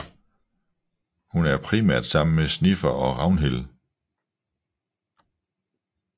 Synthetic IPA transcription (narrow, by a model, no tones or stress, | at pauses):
hunæɐpʰʁimæɐ̰d̥sɑ̈m̰n̩mesnifɐʔɒ̽ʁɑ̈ʊnɦel